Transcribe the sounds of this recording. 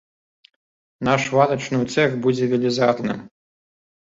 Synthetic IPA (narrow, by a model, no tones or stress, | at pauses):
naʂvat̪ɐt͡ʂnɨwt̪sɛxbud͡zʲɛvʲɛlʲizat̪nɨm